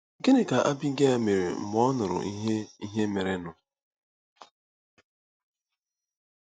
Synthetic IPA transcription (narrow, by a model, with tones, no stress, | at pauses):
ɡe˦ne˨ka˨ʔa˦bi˦ɡe˦a˨me˨ɾe˨m̩˨mɔ˦nʊ˨ɾʊ̰˨ʔi˦ɦe˦i˦ɦe˦me˨ɾe˦nʊ˨